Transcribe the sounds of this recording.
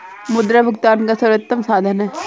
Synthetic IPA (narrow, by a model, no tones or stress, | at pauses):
mʊd̪ɾabʱɐɡt̪aːnkasɐɾʋɐt̪ːɐmsaːd̪ʱənɦɛː